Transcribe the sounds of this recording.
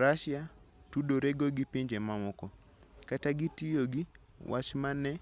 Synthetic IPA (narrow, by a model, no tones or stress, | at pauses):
ɾaʃja | tudoɾeɡoɡipiɲd͡ʒemamɔkɔ | kataɡitijoɡi | wʔat͡ʃmanɛ